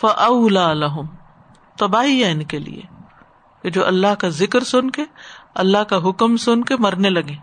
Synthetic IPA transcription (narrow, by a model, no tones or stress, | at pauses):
fɐʔɐʊlaːlɐɦʊm | t̪ɐbaːɦiɦɛɪnkelḭḛ | ked͡ʒoːʔɐlːaɦkazɪkəɾsʊnkeɐlːaɦkaɦʊkmsʊnkemɐɾnelɐɡẽː